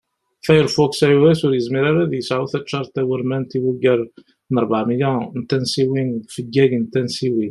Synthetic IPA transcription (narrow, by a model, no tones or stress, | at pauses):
fæjəɾfuksæjuwæsʊɾjəzmiɾaɾæðjəsʕuθæt͡ʃːɑɾˤt̪æwəɾmænt̪iwəɡæɾ | nəɾˤbaʕmijænt̪ænsiwinfəɡːæɡnt̪ænsiwi